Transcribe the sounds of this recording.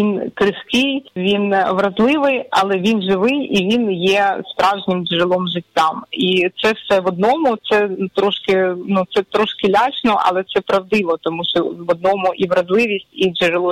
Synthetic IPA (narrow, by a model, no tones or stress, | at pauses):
inkɾɪskɪjʋʲinʋɾɐzlˠɪʋɪjɐ̰lˠɛʋʲinʒɪʋɪjiʋʲinjɛspɾɑwʒnʲɪmd͡ʒeɾɪlˠɔmʒɪtʲːamit̪sɛwsɛʋɔd̪̚nɔmʊt̪sɛt̪ɾɔʃkɪnut̪sɛt̪ɾɔʃkɪlʲɑt͡ʃnɔʔɐ̰lˠɛt̪sɛpɾɐwd̪ɪʋɔt̪ɔmuʃɔʋɔd̪̚nɔmʊʔiʋɾɐzlˠɪʋʲisʲttʲid͡ʒeɾelˠu